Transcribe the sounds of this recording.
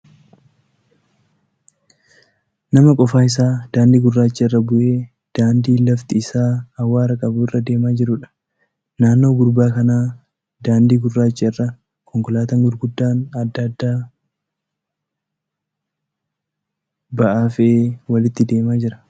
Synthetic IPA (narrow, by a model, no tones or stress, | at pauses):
nɐmɐkʼɔfaːɪs̬aːd̪̥aːnd̪iːɡʊrːaːt͡ʃːɛɪrːɐbʊʔe̞ː | d̪̥aːnd̪iːlɐft̪ɪɪsaːɐwːaːɾɐkʼɐbuːɪrːɐd̪e̞ːmaːd͡ʒɪɾʊᶑɐ̥ | naːnːo̞ːɡʊɾbaːkɐnaː | d̪aːnd̪iːɡʊrːaːt͡ʃːɛɪrːɐ | kɔŋkʊlaːt̪ɐŋɡʊɾɡʊd̪ːaːnɐd̪ːɐd̪ːaː | bɐʔaːfɛʔeːwɐlɪt̪ːɪd̪e̞ːmaːd͡ʒɪɾɐ